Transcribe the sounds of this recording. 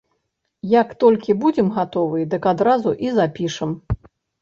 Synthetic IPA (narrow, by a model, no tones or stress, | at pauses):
jakt̪ɔlʲkʲibud͡zʲɛmɣat̪ɔvɨd̪ɨkad̪ɾazuʔizapʲiʂɨm